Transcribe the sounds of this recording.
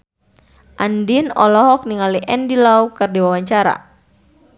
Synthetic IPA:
ʔandinɔ̰lɔɦɔk̚niŋaliʔɛndilaukərdiwawaɲt͡ʃaɾa̰

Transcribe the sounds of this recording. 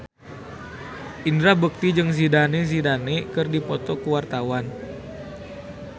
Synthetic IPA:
ʔindɾahbuk̚t̪id͡ʒɨŋs̬idanes̬idanekɨrdipɔt̪ɔkuwart̪awan

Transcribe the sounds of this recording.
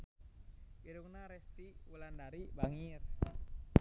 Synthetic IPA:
iɾuŋnaɾɛst̪iwulandaɾibaŋir

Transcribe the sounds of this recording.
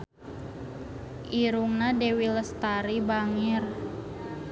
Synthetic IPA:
ʔiɾuŋnadewiləst̪aɾibaŋir

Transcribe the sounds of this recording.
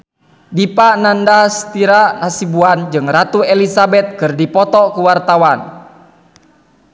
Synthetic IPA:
dipanandast̪iɾanasibuand͡ʒɨŋɾat̪uɛlisabɛt̪̚kɨrdipɔt̪ɔkuwart̪awan

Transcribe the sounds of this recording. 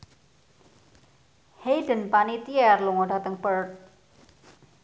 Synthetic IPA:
hejdənpanit̪iɛrluŋɔɖ̥at̪əŋbərt̪̚

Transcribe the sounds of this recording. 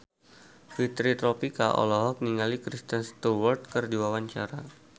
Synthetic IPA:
fit̪ɾit̪ɾɔpikaʔɔ̰lɔɦɔk̚niŋalikɾist̪ənst̪uwart̪̚kərdiwawaɲt͡ʃaɾa

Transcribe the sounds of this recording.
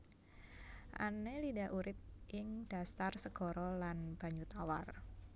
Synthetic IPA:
ʔa̰nelidaʔuɾɪp̚ʔɪŋd̥a̤st̪arsəɡ̥ɔɾɔlanb̥a̤ɲut̪awar

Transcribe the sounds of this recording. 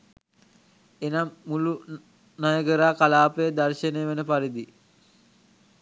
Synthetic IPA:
enamːulu | najəɡəɾaːkalaːpəjəd̪arʃənejːʋenəpaɾid̪i

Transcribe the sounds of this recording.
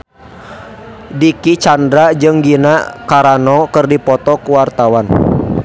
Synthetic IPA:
dikit͡ʃandɾad͡ʒɨŋɡinakaɾanɔkɨrdipɔt̪ɔkuwart̪awan

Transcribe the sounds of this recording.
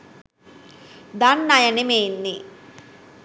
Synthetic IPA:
d̪anːɐjɐnimeːnːi

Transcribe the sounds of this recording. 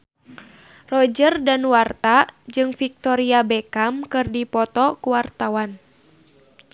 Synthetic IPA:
rɔd͡ʒərdanwart̪ad͡ʒɨŋfik̚t̪ɔɾiabɛkamkɨrdipɔt̪ɔkuwart̪awan

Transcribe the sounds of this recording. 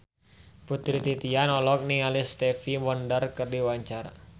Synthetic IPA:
put̪ɾit̪it̪ianɔlɔk̚niŋalist̪ɛfimɔndərkərdiwaɲt͡ʃara

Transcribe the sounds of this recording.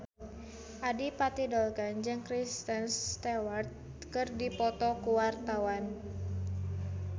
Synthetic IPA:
ʔadipat̪idɔlkand͡ʒɨŋkɾist̪ənst̪ɛwart̪̚ | kɨrdipɔt̪ɔkuwart̪awan

